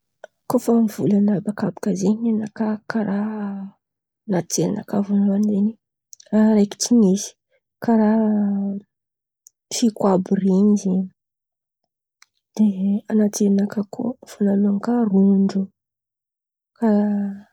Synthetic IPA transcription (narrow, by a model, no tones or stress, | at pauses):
kofamivṵlanabakabḁkazeɲenakakaɾa | nat͡selḭna̰kavunmand̪eni | aɾajki̥tinizi̥ | kaɾa | fikwaburiɲizeɲi | d̪̥eanat̪elinakakʰo̰fanalaŋkaruɳɖ͡ʐu | kaa